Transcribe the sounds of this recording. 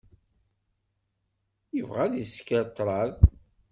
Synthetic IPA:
jəvʁæðjəskət̪ˤːɾˤɑð

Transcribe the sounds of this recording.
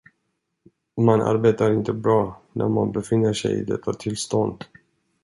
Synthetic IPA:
manʔa̰ɾbeːt̪aɾɪnt̪əbɾɑːnʔæ̰ɾmanbɛfɪnːəʂɛ̰jɪ̰d̪ɛt̪ʰːat̪ʰɪlst̪ɔnd̪

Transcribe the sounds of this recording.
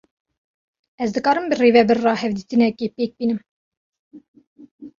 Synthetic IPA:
ɛzd̪ɨkɑːɾɨmbɨreːvɛbɨrːɑːhɛvd̪iːt̪ɨnɛkeːpeːk̚biːnɨm

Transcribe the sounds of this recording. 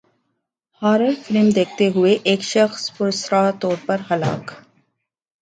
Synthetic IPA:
haːɾəfɾiːmd̪eːk̚ʰt̪eɦʊeʔeːkʃɐxspʊɾsɾaːt̪ɔːɾpɐɾɦɐla̰ːk

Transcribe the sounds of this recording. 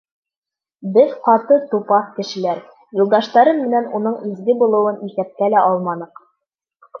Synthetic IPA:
bɘðqɑt̪ɤt̪upɑkɘ̆ʃɘ̆læɾ | julˠd̪ɑʃt̪ɑɾɤnmɘ̆nænunɤɴizɡɘbulˠɤ̆wɤniθæp̚kælæʔɑlˠmɑnɤq

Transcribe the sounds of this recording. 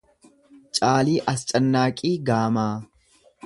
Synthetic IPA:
t͡ʃʼaːliːʔɐst͡ʃʼɐnːaːkʼiːɡaːmaː

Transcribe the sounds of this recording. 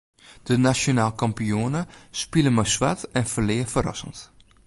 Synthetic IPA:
d̥ənasjonaːlˠkɑmpijonəspiləmɔjsʋa̰tɛnfəlɪːəfəɾɔ̰sənt

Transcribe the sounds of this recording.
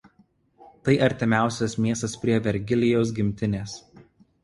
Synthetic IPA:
t̪ɐɪʔɐɾʲt̪ʲɪmʲæˑʊsʲɛsmʲiɛst̪ɐspʲɾʲiɛʋʲɛɾʲɡʲɪlʲɪjoːs̬ɡʲɪmʲt̪ʲɪnʲeːs

